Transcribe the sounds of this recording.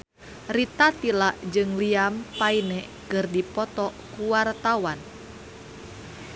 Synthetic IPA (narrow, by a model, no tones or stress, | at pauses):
rit̪at̪ilaʔd͡ʒɨŋliampainɛ | kɨrdipɔt̪ɔkuwart̪awan